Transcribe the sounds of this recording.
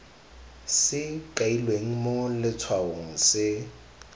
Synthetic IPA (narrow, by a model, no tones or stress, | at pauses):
sɪkailweŋ̩mʊlɪt͡sʰwaoŋ̩sɪ